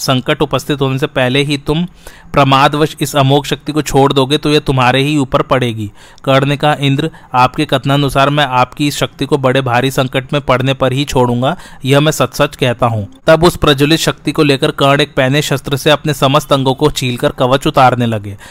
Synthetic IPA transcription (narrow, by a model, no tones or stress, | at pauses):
sɐ̃ŋkəʈʊpəst̪ʰɪt̪ɦoːnes̬epɛɦleɦit̪ʊmpɾɐmaːd̪ʋəʃɪsɐmoːkʃɐk̚t̪ikot͡ʃʰoːɽd̪oːɡet̪ojɐt̪ʊmɦaːɾeɦiuːpəɾpɐɽeːɡiː | kɐɽnekɐɦaʔɪ̃nd̪ɾ | aːpkekɐt̪naɐnʊsaːɾmɛ̃aːpkiɪsʃɐk̚t̪ikobɐɽebʱaːɾisɐ̃ŋkəʈmẽpɐɽ̤nepɐɾɦit͡ʃʰoːɽũːŋɡajɐɦmɛ̃ːsɐt̪sɐt͡ʃkɛɦt̪aɦũːt̪ɐbʊspɾɐd͡ʒʊlɪt̪ʃɐk̚t̪ikoleːkəɾkɐ̃ɽeːk̚pɛːneʃɐst̪ɾəseɐpnesɐməst̪ɐ̃ŋɡõkot͡ʃʰiːlkɐɾkɐʋət͡ʃʊt̪aːɾnelɐɡeː